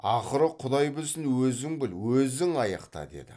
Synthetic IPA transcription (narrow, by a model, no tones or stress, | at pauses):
ɑχəɾəqʰʊd̪ɑjbɪlsɪnwɵzɪŋbɪlwɵzɪŋɑjɑqt̪ɑ̰d̪e̞̰d̪ɪ̰